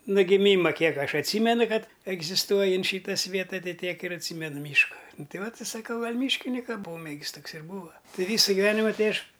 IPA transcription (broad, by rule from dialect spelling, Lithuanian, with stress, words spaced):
noː ɡʲɪˈmʲiːmɐ ˈkʲiɛk ˈɐʃ ɐtʲˈsʲiːmʲɛnʊ ˈkɐt ɛɡzʲɪsˈtuɔjɪ ɐnt ˈʃʲiːtɐ ˈsʲʋʲiɛtɐ ˈtɐɪ ˈtʲiɛk ɪr ɐtʲˈsʲiːmʲɛnʊ ˈmʲiːʃkɐ ˈnʊ ˈtɐɪ ˈʋɐt ɪ sɐˈkɐʊ ˈɡɐlʲ ˈmʲiːʃʲkʲɪnʲɪkɐ ˈpoːmʲeːɡʲɪs ˈtoːks ɪr ˈbuːʋɐ ˈtɐɪ ˈʋʲiːsɐ ɡʲɪˈʋʲæːnʲɪmɐ ˈtɐɪ ˈɐʃ